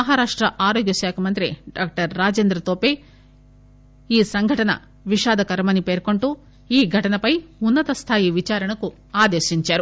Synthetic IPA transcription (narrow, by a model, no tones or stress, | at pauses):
ɐɦaɾaːʂʈɾɐʔaːɾoːɡjɐʃaːkʰɐmɐnt̪ɾiɖaːk̚ʈɐɾːaːd͡ʒeːnd̪ɾɐt̪oːpe | iːsɐŋɡʱɐʈɐnɐ̰ | ʋiʃaːd̪ɐkɐɾɐmɐnːipeːɾko̞ɳʈu | iːɡʱɐʈɐnɐpɐjunːɐt̪ɐst̪ʰaːjiʋit͡ʃaːɾɐɳɐku | aːd̪eːʃiɲt͡ʃaːɾu